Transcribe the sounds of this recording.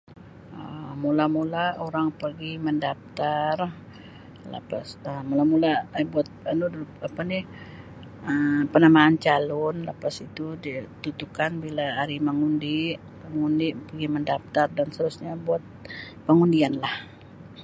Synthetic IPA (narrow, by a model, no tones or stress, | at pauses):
əmulamulaoɾaŋpərɡiməndap̚t̪ar | lə̰pasəmulamulabuat̪̚ənudpapanɪh | əpənamaːnt͡ʃalɔnləpasit̪udit̪ut̪ukanbilaːɾiməŋundiʔ | məŋundipərɡiməndap̚t̪ardanst̪əɾusɲabuat̪̚ | pəŋundianlah